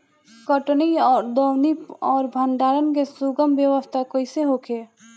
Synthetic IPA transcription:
kɔʈniɔːɾd̪ɔwnipɔːɾbʱənɖ̪aːɾənk̬esuɡəmbjəʋəst̪ʰakoːiseɦokʰeː

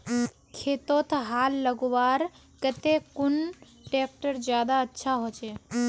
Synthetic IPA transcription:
kʰeːt̪oːt̪ʰɦaːlːəɡoʋaːɾ | kət̪ekʊn | ʈeːk̚ʈəɾd͡ʒjaːd̪aətːʃʰaɦot͡ʃeː

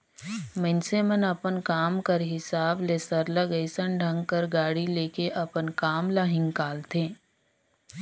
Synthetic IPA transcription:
mə̃nsemənɐpənkaːmkəɾɦɪsaːbleːsəɾləɡəɪsəɳɖʱɐ̃ŋɡkəɾɡaːɽileːkeʔɐpənkaːmlaɦɪ̃ŋkaːlt̪ʰẽː

